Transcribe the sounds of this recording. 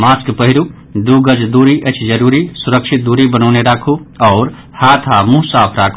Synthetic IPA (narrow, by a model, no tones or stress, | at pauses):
maːskpəɦɪɾu | d̪uɡəd͡ʒd̪uɾiʔət͡ʃʰd͡ʒəɾuɾisuɾəkʃʰit̪̚d̪uɾibənɔʊneɾaːkʰuɔːɾ | haːt̪ʰamũsaːpʰɾakʰu